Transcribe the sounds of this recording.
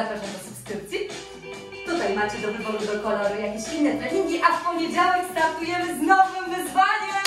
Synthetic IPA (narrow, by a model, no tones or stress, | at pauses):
akaʐnɛd̪ɔsupskɾɘp̚t̪sʲi | t̪ut̪ajmat͡ɕɛd̪ɔvɾɨvɔd̪ud̪ɔkɔlɔɾɘjakʲeɕinːɛt̪ɾɛɲiŋɡʲiʔafpɔvʲjed͡ʑawɛkst̪aɾt̪ujɛmɘznɔvɨmvɘzvaɲɛ